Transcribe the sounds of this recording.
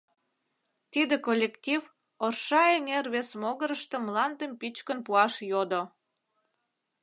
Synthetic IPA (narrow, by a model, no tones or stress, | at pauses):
t̪id̪ekolʲːektʲiv | orʃɑeŋerβesmoɣəɾəʃt̪ə̆mlɑnd̪əmpit͡ɕkənpuɑʃjod̪o